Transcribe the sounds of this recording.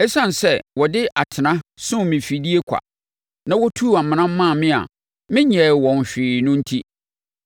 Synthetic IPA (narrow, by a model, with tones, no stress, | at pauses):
ɛ˦sã˦n˨sɛ˦wɔ˨dɪ˦ʔa˨tʰɪ˨nã˦sʊ̃˦mɪ̃˨fi˨di˦e˦kʷʰa̰˨ | nã˨wɔ˦tʰuː˦˨a˨mɪ̃˨nã˦m̩˦mã˦˨mɪ̃˦a̰˨ | mɪ̃˦ɲɛ˨wɔ̃˨n˨ɕᶣɪː˨nʊ̃˦n̩˦tʰi˦